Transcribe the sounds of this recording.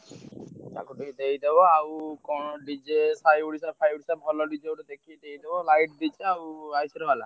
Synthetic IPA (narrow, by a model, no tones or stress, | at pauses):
t͡ʃa̰kuʈiid̪eɦid̪ebɔawkɔɖid͡ʒesajuɽisapʰajuɽisabʱɔlɔɖid͡ʒeawʈɔd̪ekʰied̪eɦjd̪ebɔlajʈ̚d̪it͡ʃʰeawajsiɾɔbala̰